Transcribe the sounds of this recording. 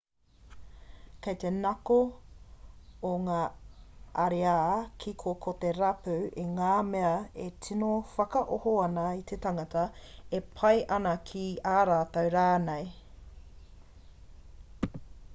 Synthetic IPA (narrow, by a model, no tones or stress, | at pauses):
kejt̪enɐko | ŋaː | ɐɾeaːkʰikʰokʰot̪eɾɐpʉeŋaːmeɐetʰinofɐkɐʔohoɐnɐit̪ʰetɐŋɐtɐepʰɐjʔɐnɐkʰiaːɾaːtɐwɾaːnej